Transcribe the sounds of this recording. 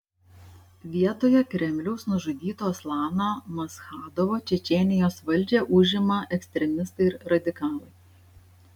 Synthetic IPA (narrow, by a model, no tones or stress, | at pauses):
ʋʲiɛt̪oːjɛkɾʲɛmʲlʲɛʊsnʊʒʊd̪ʲiːt̪oːslˠɑːnomɐsxɑːd̪oʋoːt͡ʃʲɛt͡ʃʲɛnʲɪjoːsʋɐlʲˑd͡ʒʲeːʔʊʒʲɪmɐʔɛksʲt̪ʲɾʲɛmʲɪst̪ɐɪɪɾɾɐd̪ʲɪkɑːlˠɐɪ